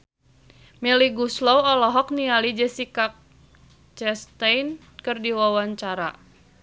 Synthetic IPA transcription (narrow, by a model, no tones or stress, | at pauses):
mɛliɡuslɔwɔlɔɦɔk̚nialid͡ʒəsikak̚ | t͡ʃɛst̪ajn | kɨrdiwawaɲt͡ʃaɾa